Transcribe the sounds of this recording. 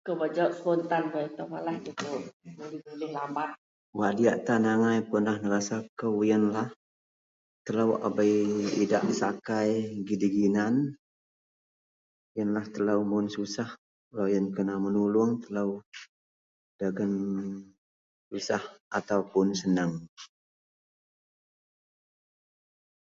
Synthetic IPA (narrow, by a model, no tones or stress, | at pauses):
kəbad͡ʒɔʔspɔnt̪anbait̪awalahtut̪uʔbulɪbulɪhlamaʔ | wadiaʔt̪anaŋajpʊnlahnəɾasakəwjənlah | t̪əlawa̰bajida̰ʔsakajɡidiɡinan | jənlaht̪əlawmʊnsusah | lajənkənamənulʊŋt̪əlaw | daɡən | susahat̪awpʊnsənəŋ